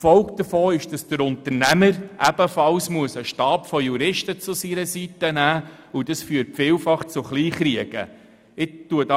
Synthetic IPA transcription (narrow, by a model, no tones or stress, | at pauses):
fɔlkd̥əfɔːɪʃd̥ɑsd̥əɾʊnt̪əɾnæməɾʔæb̥əfɑlsmuəsəʃtɑːpfɔjuɾɪʃtət͡sʊsiɾəsitənæː | ud̥ɑsfyːəɾtfiːlfɑχt͡sʊχliːχriəɡ̥ə̰ | ɪtːuədɑ